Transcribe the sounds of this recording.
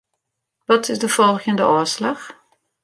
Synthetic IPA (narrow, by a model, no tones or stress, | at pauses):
ʋɔtʰɪzdəfɔlˠɣjəndəʔɔslɑx